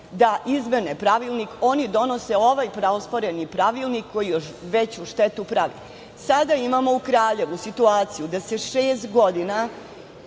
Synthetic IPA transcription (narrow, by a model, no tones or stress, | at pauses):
d̪aʔizmenepɾaʋilˠniko̞nid̪o̞no̞se̞o̞ʋajpɾaospoɾenipɾaʋilˠnikʰːo̞jijoʃʋet͡ɕuʃt̪et̪upɾaʋḭ | sad̪aimamo̞ukɾaːʎe̞ʋusit̪uaːt̪sijud̪ase̞ʃeːst̪ɡo̞d̪ina